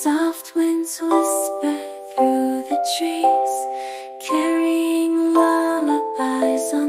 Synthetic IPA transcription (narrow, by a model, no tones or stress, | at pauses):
sɔft̚wɪ̃nzwɪsbə | θɹuðɨtʰɹ̥iz̥ | kʰɛɹiɪ̃ŋlaləbaɪz